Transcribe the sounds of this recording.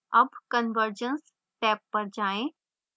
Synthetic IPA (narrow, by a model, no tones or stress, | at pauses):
ɐbkənʋəɾd͡ʒəns | ʈɛːpːɐɾd͡ʒaːẽ